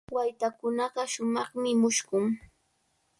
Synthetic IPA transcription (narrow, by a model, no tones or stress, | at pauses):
wajt̪akʊnɑɢɑʃʊmɑχmɪmʊʃɢʊŋ